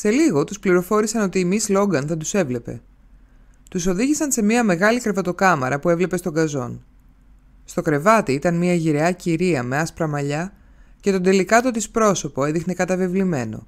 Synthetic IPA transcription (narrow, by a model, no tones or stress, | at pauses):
se̞liɣo̞t̪uspliɾo̞fo̞ɾisɐno̞t̪iːmislo̞ɡɐnθɐt̪use̞vle̞pe̞̰ | t̪uso̞ðiʝisɐnse̞miɐme̞ɣɐlikɾevɐt̪o̞kɐmɐ̰ɾɐpue̞vle̞pe̞st̪o̞ɡɐzo̞̰n | st̪o̞kɾe̞vɐt̪iit̪ɐnmiɐʝiɾe̞ɐciɾiɐme̞ɐspɾɐmɐʎɐ | ce̞t̪o̞nd̪e̞likɐt̪o̞t̪ispɾo̞so̞po̞eðixnikɐt̪ɐvivlime̞no̞̰